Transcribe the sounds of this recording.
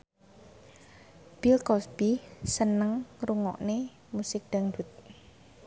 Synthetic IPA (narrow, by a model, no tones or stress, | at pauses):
b̥ilkɔsb̥isənəŋruŋɔ̰ʔne | musɪk̚d̪̥aŋd̥ṳt̪̚